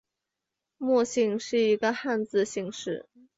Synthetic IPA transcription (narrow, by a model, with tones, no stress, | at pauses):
mwɔ˥˧ɕi˥˧ŋʂɻ̩˥˩i˧˥ɡə˧xa˥˧nt͡sɹ̩˥˧ɕi˥˧ŋʂɻ̩˥˩